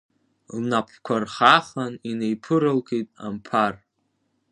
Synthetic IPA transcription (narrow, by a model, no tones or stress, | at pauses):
lnapʰkʷʰarχaχaninejpʰɨɾɨlkʰejtʼa̰mpʰar